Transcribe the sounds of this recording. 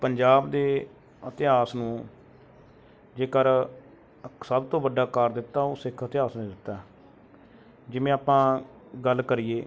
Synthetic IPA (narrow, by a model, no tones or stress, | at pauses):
pəɲd͡ʒaːbd̪eː | ət̪ɪɦaːsnũː | d͡ʒeːkəɾ | səbt̪õːbəɖaːkəɾd̪ɪt̪ːaːoːsɪkʰət̪ɪaːsnẽd̪ɪt̪ːaː | d͡ʒɪmẽːaːpãː | ɡəlkəɾijeː